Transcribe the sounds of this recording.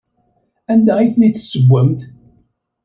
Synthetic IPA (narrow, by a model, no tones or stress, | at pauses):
ænd̪æiθnit͡s̪ːsəɡʷːæmt̪